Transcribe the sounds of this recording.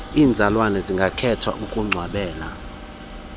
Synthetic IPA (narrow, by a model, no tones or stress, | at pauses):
iːnd͡zʱalwanɛziŋɡʱakʰɛtʰwa̰ʔukʼuŋ͡ǀʱwaɓɛːla